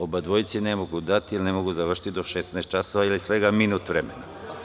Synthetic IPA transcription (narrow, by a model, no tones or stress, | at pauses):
obad̪ʋojt̪sinemoɡud̪at̪iilinemoɡuzaʋr̩ʃi̥t̪id̪o̞ʃesnaːst̪̚t͡ʃasoʋailisʋeɡaminut̪ʋɾemena